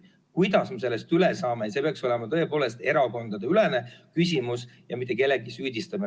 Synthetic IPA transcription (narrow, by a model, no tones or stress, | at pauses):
kujd̪ɑsmes̬e̞lːe̞st̪ylesɑːmejɑse̞peɑkso̞lemɑt̪ɤ̞e̞po̞ːle̞st̪e̞ɾɑko̞nd̪̥ɑd̪eylene̞kys̬ʲimusjɑmit̪ˑːe̞k̬e̞lːeɡisyːd̪ist̪ɑme